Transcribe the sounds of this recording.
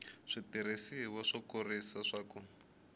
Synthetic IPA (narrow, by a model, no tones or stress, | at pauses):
ʂitiɾesiwaʂɔkorisaʂaːkɔ